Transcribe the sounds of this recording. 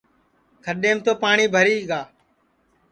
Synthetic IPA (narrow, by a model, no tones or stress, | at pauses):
kʰəɗeːmt̪oːpaːɳiːbʱəɾiːɡaː